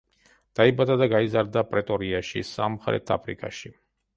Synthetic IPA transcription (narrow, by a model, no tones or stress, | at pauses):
d̪̥aibad̪ad̪aɡaizaɾd̪apʼɾɛt̪ʼɔɾiaʃḭsamχɾɛ̰t̪ʰa̰pʰɾḭkʰʼa̰ʃi